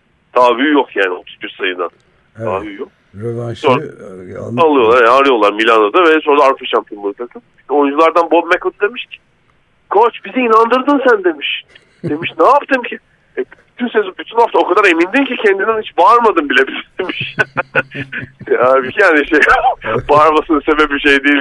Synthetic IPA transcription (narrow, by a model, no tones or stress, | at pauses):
t̪ʰaːβyːjokjaːnio̞t̪ʰuzbiɾsajɯnd̪a̰n | t̪ʰa̰ːbyːjok̚ | so | alˠɯjo̞lˠaɾaɾɯjo̞lˠaɾmilʲanod̪avɛsoɾd̪aaɾfɯʃamt̪ɯnmɯt̪ʰak̪ɯmio̞jund͡ʒulˠaɾd̪anbomɛkod̪ɯd̪e̞miʃcʰɪ̥ | kʰot͡ʃbiziːnand̪ɯɾd̪ɯnsænd̪e̞miʃ | d̪e̞miʃnaːpt̪ʰɯmcʰi | ɛbyt̪ʰynsesibyt̪ʰynhaft̪ʰaokʰad̪aɾe̞mind̪imcicʰɛnd̪inænit͡ʃbaɾmad̪ɯmbilʲebizd̪emiʃ | aːbicʰijaːniʃebaːɾmasɯnɯsebɛpbiʃejd̪iːlʲ